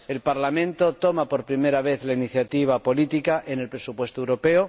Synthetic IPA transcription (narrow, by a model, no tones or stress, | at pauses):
e̞lpaɾlamẽnt̪ot̪omapo̞ɾpɾime̞ɾaβ̞e̞θlainiθjat̪iβ̞apo̞lit̪ikaʔene̞lpɾesupwe̞st̪oewɾo̞pe̞o